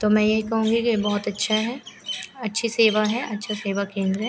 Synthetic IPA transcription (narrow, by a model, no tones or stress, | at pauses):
t̪oːmɛ̃ːjeɦikɐɦũːŋɡikibɔɦʊt̪ɐtːʃʰaɦɛɐtːʃʰiseːʋaɦɛʔɐtːʃʰaseːʋakẽːnd̪ɾəɦɛː